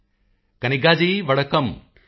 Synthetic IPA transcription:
kɐniɡaːd͡ʒijʋɐɽɐkɐm

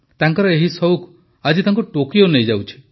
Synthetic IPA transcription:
t̪aŋkɔɾɔeɦisɔwk | ad͡ʒit̪aŋkuʈokionejd͡ʒawt͡ʃʰi̥

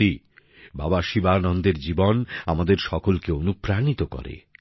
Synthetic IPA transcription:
i | babaʃibanɔnd̪eɾd͡ʑibonamad̪eɾʃɔkolkeonupɾanit̪okɔ̰ɾḛ

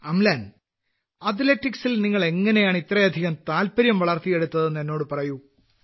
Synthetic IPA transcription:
ɐmlaːn | ɐt̪̬letːiksilniŋːɐɭe̞ŋːɐne̞jaːɳit̪rɐjɐd̪ʱiɣɐmt̪aːlpɐɾjɐmʋɐɭɐrt̪ije̞ɽut̪ːɐðenːenːo̞ːɽɨpɐrɐju

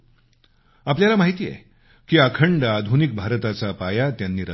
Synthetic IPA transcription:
apljalamaɦit̪iːjɛ̰ | kiːakʰəɳɖad̪ʱunik̚bʱaɾt̪at͡sapajat̪janːiːɾə̰

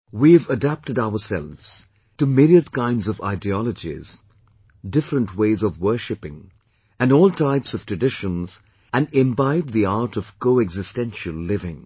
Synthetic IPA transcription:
wiɨvədæp̚tɨdaʊəsɛ̰lˠvz̥ | tɨmiɾiədkãɪ̃ndzʌva̰ɪdiɔlˠəd͡ʒḭz̥ | dɪfɾə̃ntʰweɪzʌvwɜ˞ʃɨpɪ̰̃ŋ | ɨ̃nɔːlˠtʰaɪpsʌv̥tʰɹ̥ɨdɪʃə̃nz | ɨ̃nɪ̃mbaɪb̚ðiaɾɾʌv̥koʊɛɡzɨstɛ̃nʃəlˠːɪvɪ̃ŋ

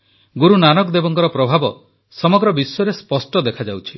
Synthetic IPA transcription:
ɡuɾunanɔkd̪ebɔŋkɔɾɔpɾɔbʱabɔ | sɔmɔɡɾɔbisɔɔɾespɔsʈɔd̪ekʰad͡ʒawt͡ʃʰi

